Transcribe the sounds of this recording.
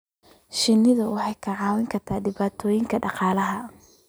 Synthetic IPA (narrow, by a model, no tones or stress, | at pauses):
ʃɪnːɪðɐwɑħɑjkʰɐʕɑːwɪŋkʰɐrt̪ʰaːɖɪβaːt̪ʰɔːjɪŋkʰɐɖɑqɑːlɐɦɐ